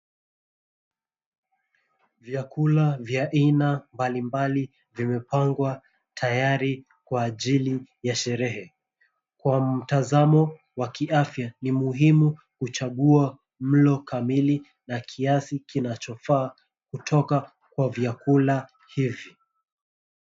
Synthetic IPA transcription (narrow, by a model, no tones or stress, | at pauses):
vjakulavjaʔinambalimbali | vimɛpaŋɡwa | tʰajaɾi | kwaːʄilijaʃɛɾɛhɛ | kwam̩tazamɔ | wakiʔafjanimuɦimu | kut͡ʃaɠua | m̩lɔkamili | nakʰiasikinat͡ʃɔfaː | kutʰɔka | kwavjakula | hivi